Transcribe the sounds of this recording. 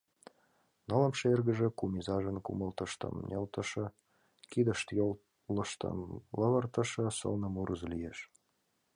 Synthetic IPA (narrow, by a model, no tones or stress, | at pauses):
nələmʃerɣə̆ʒĕkumizɑʒənkṵməlt̪əʃt̪ə̰mnʲelt̪ə̆ʃə̆ | kid̪əʃt̪jol | ləʃt̪ə̰mləβərt̪ə̆ʃɤ̆sə̰lnə̆muɾʔəzlijeʃ